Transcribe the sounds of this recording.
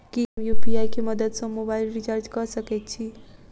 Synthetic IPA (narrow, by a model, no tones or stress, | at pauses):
kiɦmjupiajkeməd̪əd̪sʌ̃mobaɪlɾit͡ʃaɾd͡ʒkʌsəket̪̚t͡ʃʰi